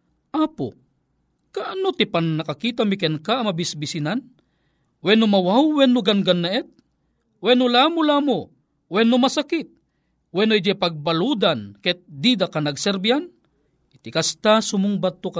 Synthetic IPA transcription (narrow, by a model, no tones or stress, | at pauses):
ʔaːpʊ̰ | kaʔanot̪ipannakakiːt̪amikɛnkaːmabɪsbisinan | wɛnʊmawawːɛnːʊɡanɡanːaʔɛt̪̚ | wɛnʊlamʊlaːmo | wɛnːʊmasakɪt̪̚ | wɛnod͡ʒɛpaɡ̚baluːd̪ankɛt̪̚d̪id̪akanaɡsɛɾbian | ʔit̪ɪkast̪asʊmʊŋbat̪ːok